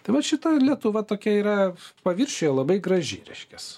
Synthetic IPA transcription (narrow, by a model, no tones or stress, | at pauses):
t̪ɐɪʋɐʃʲɪt̪ɐlʲiɛt̪ʊʋɐt̪oːkʲɛiːɾɐpɐʋʲɪrʲʃʲoːjɛlˠɐbɐɪɡrɐʒʲɪ̰ɾʲɛ̰ɪʃʲkʲɛs